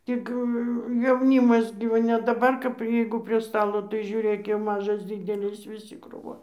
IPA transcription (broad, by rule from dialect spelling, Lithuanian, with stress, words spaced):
ˈtʲɪk jɛʊˈnʲiːmɐs ɡʲɪ ˈʋɐ nʲɛ dɐˈbɐr kɐp ˈjɛɪɡʊ pʲrʲiɛ ˈstɑːlˠoː tɐɪ ʒʲʊˈrʲeːk jɛʊ ˈmɑːʒɐs ˈdʲiːdʲɛlʲɪs ʋʲɪˈsʲɪ kruːˈʋoːn